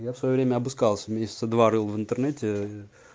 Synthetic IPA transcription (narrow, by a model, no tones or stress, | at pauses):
jafsvɐjovɾʲemʲəɐbɨskalˠsʲəmʲesʲɪ̥t̪səd̪vaʐɨlˠvɨnt̪ərnɛtʲɪ